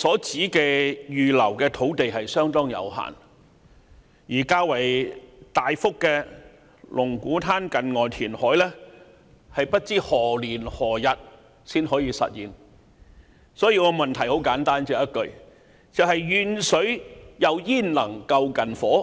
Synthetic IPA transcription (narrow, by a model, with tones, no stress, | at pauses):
sɔː˨˥t͡siː˨˥kɛː˧jyː˨lɐ˨˩wkɛː˧t̪ʰo˨˥wt̪e˨jɦɐ˨jsœː˥ŋt̪ɔː˥ŋjɐ̰˨˧wɦa̰ː˨˩n | jiː˨˩kaː˧wɐ˨˩jt̪aː˨jfʊ˥kːɛː˧ | lʔʊ˨˩ŋkuː˨˥t̪ʰaː˥nkɐ˨nŋɔː˨˩jt̪ʰiː˨˩nhɔː˨˥jlɛː˥ | hɐ˨jpɐ˥t̚t͡siː˥hɔː˨˩liː˨˩nhɔː˨˩jɐ˨t̚ | siː˥nhɔː˨˥jiː˧sɐ̰˨t̚jiː˨n | sɔː˨˥jiː˧kɔ˨˧mɐ˨nt̪ʰɐ˨˩jho˨˥wkaː˨˥nt̪aː˥nt͡ʃɛː˧˨jɐ˥t̚kɵ˨˧ | t͡sɐ˨whɐ˨jjyː˨˧nsɵ˨˥ɥjɐ˨˧wjiː˥˩nlɐ˨˩ŋkɐ˧wkɐ˨nfɔː˨˥